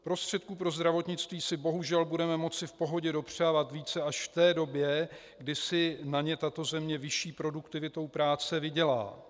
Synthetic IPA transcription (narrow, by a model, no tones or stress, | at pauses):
pɾo̞st̪r̥ɛt̪̚kuːpɾo̞zd̪ɾavo̞t̪ɲɪt͡st̪viːsɪbo̞ɦuʒɛlbudɛmɛmo̞t͡sɪfpo̞ɦo̞ɟɛdo̞pr̝̥aːvat̪viːt͡sɛaʃft̪ɛːdo̞bjɛ | ɡdɪsɪnaɲɛt̪at̪o̞zɛmɲɛvɪʃiːpɾo̞dukt̪ɪvɪt̪o̞wpɾaːt͡sɛvɪɟɛla̰ː